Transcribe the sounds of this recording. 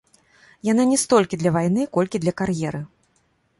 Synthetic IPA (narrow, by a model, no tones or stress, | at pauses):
jananʲɛst̪ɔlʲkʲid̪lʲɐvajn̪ɨkɔlʲkʲid̪lʲɐkarjɛɾɨ